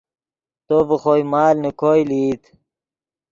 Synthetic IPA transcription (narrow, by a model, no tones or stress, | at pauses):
t̪ovəχojmaːlnikojlit̪